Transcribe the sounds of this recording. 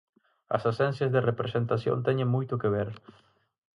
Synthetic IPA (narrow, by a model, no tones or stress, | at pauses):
ɐ̰sasɛ̃nsjazðerepɾesent̪asjõ̰nt̪ɛɲẽŋmujt̪ʊkeβ̞eɾ